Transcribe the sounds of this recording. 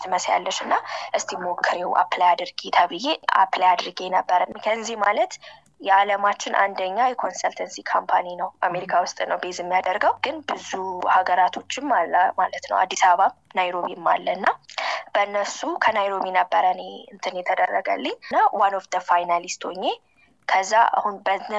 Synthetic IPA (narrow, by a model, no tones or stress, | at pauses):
t̪ʰɨməsja̰lːəʃɨnːaʔɨst̪ʰemo̞kʰːɨɾewʔa̰plajad̪ɨɾɡet̪ʰəβɨjea̰plajad̪ɨɾɡenəbːəɾəmkʰəzzihmalət̪ | jɛaləmat͡ʃːɪnʔa̰nd̪əɲːajɛkʰo̞nsəlt̪ʰənsikʰompʰaninəwʔame̞ɾikʰawʊst̪ʼnəwbezɛmːijad̪əɾɡəwɡ̥ɨnbɨzuhaɡəɾat̪ʰo̞t͡ʃːɪmːalːmalət̪nə̰wʔa̰d̪ːisaβəβamnajɾo̞βimːa̰lːəɨnːab̥ənːəsukʰənajɾo̞βinəbːəɾəneɨnt̪ʰɨnjɛt̪ʰəd̪ərːəɡə̰lːiɲːnːawanofd̪əfajnalist̪ʰo̰ɲːe | kʰəzːaa̰hunbə